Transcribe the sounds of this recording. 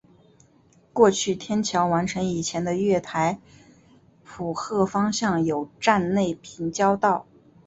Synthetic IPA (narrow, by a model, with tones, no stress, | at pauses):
kwɔ˥˧t͡ɕʰy˥˩t̪ʰjɛ˥nt͡ɕʰjɑ˧˥ʊwa˧˥nʈ͡ʂʰɤ˧˥ŋi˨˩t͡ɕʰjɛ˧˥nd̪ə˧ɥɛ˥˩t̪ʰa˧˥ɪ | pʰu˨˩xɤ˥˩fɑ˥ŋɕjɑ˥˩ŋjo˨˩ʊʈ͡ʂa˥˧nle˥˩ɪpʰi˧˥ŋt͡ɕjɑ˥ʊt̪ɑ˥˩ʊ